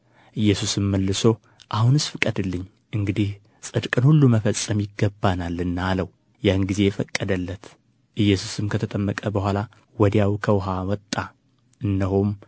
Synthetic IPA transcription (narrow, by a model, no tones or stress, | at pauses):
ʔɨjːɛsusɨmːəlːɨso̞ | ʔahunɨsfɨkʼəd̪ɨlːɨɲː | ʔɨŋɡɨd̪ih | sʼɨd̪kʼɨnhulːuməfəsʼəmjɪɡəbːanalɨnːaːləw | jahnɡize̞jɛfəkʼːəd̪əlːət̪ | ʔɨjːɛsusɨmkʰət̪ʰət̪ʼəmːəkʼəbəhʷala | wɔd̪jawkʰəwɦawɔt̪ʼːa | ʔɨnːəɦom